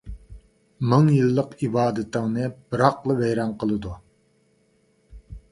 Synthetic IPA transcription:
mɨŋjɨlˠːəqibɑːd̪ɨt̪ʰəŋnɨb̥ɨɾɑqlˠəvɛjɾɑnqəlˠɨd̪u

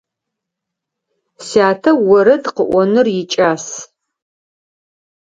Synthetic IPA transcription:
saːtʰɐwɔɾɐdqəʔʷɔnɨrjɪt͡ʃʼaːs

